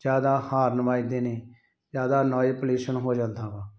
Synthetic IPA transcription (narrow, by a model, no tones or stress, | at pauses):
d͡ʒjaːd̪aːhaːɾnəmaːiːd̪eːneː | d͡ʒjaːd̪aːnɔːiːpəliːʃənɦoːd͡ʒãːnd̪ãːbãː